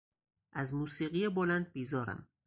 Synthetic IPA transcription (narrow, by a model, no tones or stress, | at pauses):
ʔæzmuːsiːɢijebolænd̪̚biːzɒːɾæ̰m